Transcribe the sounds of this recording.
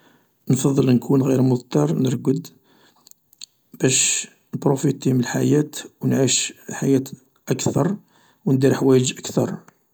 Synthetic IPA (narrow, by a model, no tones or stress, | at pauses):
nfɑðˤːəlnkʰunɣiɾmʊðˤt̪ɑɾˤnəɾˤɡəd̪ | b̥æʃ | nbɾufit̪iməlħajæt̪wnʕiʃlħajæt̪ | ʔækt̪ɑɾˤ | wnd̪iɾħwæjəd͡ʒʔəkt̪ɑɾˤ